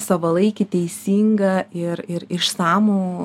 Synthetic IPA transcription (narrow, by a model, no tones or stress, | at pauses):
sɑʋɐlˠɐɪkʲɪt̪ʲɛɪsʲiːŋɡɐɪɾɪɾɪʃsɑːmoː